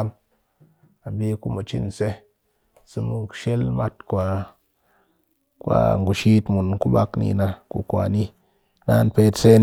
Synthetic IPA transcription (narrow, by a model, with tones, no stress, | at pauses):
m | a˨bi˦ku˦mu˨t͡ʃi˦n˨se˦ | sɨ˧mu˦kʃe˦lma˦tkʷa˨ | kwa̰˨ŋɡu˨ʃi˦tmu˨nku˦ba˦knḭ˧na˧kṵ˨kʷa̰˨ni˦ | na˦npe˦tse˦n